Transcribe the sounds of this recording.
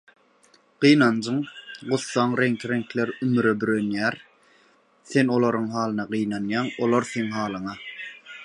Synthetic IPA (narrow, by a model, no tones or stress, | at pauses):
ɢ̥ijnɑnd͡ʒɯɴɢʊθːɑɴɾeŋkʰɾeŋkʰleɾymyɾøbyɾønjæːɾ | θe̞nolˠoɾuɴɦɑːlˠɯnɑɢɯjnɑnjɑːŋolˠoɾθeŋɦɑːlˠɯɴɑ